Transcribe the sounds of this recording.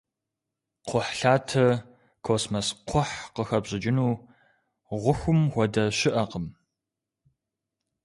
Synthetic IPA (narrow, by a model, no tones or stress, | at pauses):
qʰʷʊħɬaːtʰɐ | kʰoːsmɐsqʷʰɔħqəxɐbʑʼɪd͡ʒɪnuː | ʁʷʊxʷʊmxʷɔdɐɕɪʔɐqəm